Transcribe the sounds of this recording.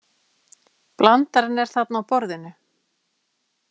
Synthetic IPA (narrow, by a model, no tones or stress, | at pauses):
plant̪aɾɪnːɛɾ̥θat̪nawpɔɾðɪnːʏ